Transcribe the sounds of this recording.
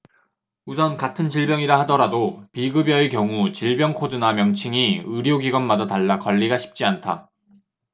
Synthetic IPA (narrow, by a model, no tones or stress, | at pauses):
usʰʌnkatʰɯnt͡ɕiɭbjʌŋiɾahadʌɾadopiɡɯbjʌekjʌŋut͡ɕiɭbjʌŋkʰodɯnamjʌŋt͡ɕʰiŋiɯɾjoɡiɡʌnmadataɭːakʌʎːiɡaɕʰi̥p̚t͡ɕ͈iantʰa̰